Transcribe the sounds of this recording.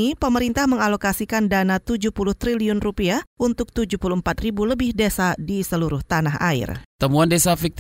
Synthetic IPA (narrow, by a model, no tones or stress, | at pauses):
ipəməɾint̪ahməŋalokasikandanat̪ud͡ʒuhpulʊht̪ɾiliʊnrupiaʔunt̪ʊk̚t̪ud͡ʒuhpulumpat̪ribuləbɪhdesadisəluɾʊht̪anaɦa̰ɪ̰rt̪əmuandesafik̚t̪